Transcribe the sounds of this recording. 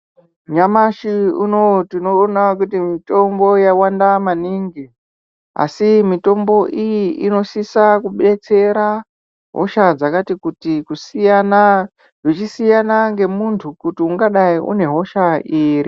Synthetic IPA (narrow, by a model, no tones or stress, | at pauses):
ɲamaʃiuno̞tinoːnakutimito̞mbo̞jawandamaniŋɡi | a̰simito̞mbo̞ʔijiʔino̞sisakuɓet͡se̞ɾa | ɦo̰ʃad͡zakatikutikusijana | ʐit͡ʃisijanaŋɡe̞muntʰukutiuŋɡaɗaiʔṵne̞ɦo̞ʃaʔiːri